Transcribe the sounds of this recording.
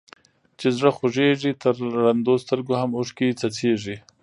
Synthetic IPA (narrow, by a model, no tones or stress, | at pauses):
t͡ʃezɻaxoʐeʐit̪əɾːand̪ost̪əɾɡohamʊʂket͡sat͡seʐi